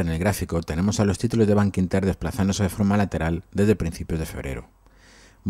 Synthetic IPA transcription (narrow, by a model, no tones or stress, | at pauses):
enelɣɾafikot̪enẽmosalost̪it̪ulozðeβ̞aŋkint̪eɾðesplaθand̪oseðefoɾmalat̪eɾald̪ezðepɾin̟θipjozðefeβɾḛɾo̰ | m